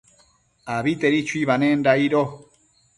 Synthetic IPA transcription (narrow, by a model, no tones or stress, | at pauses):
aβit̪eɾit͡ʃuiβanendaiɾo